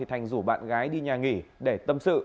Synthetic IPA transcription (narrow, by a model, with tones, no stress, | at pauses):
i˨˩t̪ʰa˨˩jŋ̟zu˧˩ɓa̰ː˧˨nɣaː˨˦jɗi˧ɲaː˨˩ŋi˧˩ɗe˧˩t̪ə˧msɨ̰˧˨